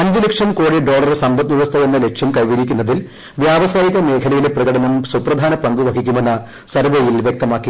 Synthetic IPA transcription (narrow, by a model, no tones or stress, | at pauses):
ɐɲd͡ʑilɐkʂɐmkoːɽiɖoːɭɐrsɐmbɐt̪ːʋiʋɐst̪ʰɐjenːɐle̞kʂɐmkɐjʋiɾikʲːunːɐðil | ʋjaːʋɐsaːjiɣɐme̞ːkʰɐlɐjileprɐɣɐɽɐnɐmsuprɐd̪ʱaːnɐpɐŋɡuʋɐɡʰʱikʲːume̞nːɐ | sɐɾɐd̪ɐjilʋjek̚t̪ɐmaːkːi